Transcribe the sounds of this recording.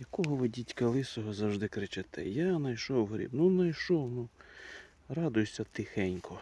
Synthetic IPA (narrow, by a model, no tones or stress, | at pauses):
jɐkɔɦɔʋɪdʲitʲkɐlˠɪsɔɦɔzɐwʒd̪ɪkɾɪt͡ʃɪt̪ɛ̰janɐjʃɔwɦɾʲḭbnunɐjʃɔwnu | ɾɑd̪ʊjʊsʲɐt̪ɪxɛnʲkʰɔ